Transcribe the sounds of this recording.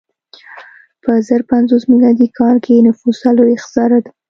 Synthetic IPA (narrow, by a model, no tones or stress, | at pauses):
pəzəɾpanzosmilɑd̪ikʰɑlkenafusaloɪxzɑɾad̪a